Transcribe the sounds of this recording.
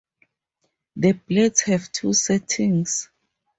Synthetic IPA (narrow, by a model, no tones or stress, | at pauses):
ðəblɛdshɛvtʰusɛtʰĩŋs